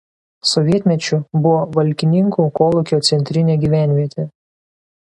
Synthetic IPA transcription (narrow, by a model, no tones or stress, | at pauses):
sɔʋʲiɛt̪ʲmʲɛt͡ʃʲʊbʊʋoːʋɐlʲkʲɪnʲɪŋkuːkoːlˠʊkʲoːt̪sʲɛnʲt̪ʲɾʲɪnʲeːɡʲiːʋʲæˑnʲʋʲiɛt̪ʲeː